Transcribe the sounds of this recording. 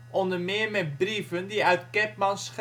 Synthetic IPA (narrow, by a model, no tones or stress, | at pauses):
ʔɔndəɹmeːmɛbrivəndiœɥtkɛpmɑnsχ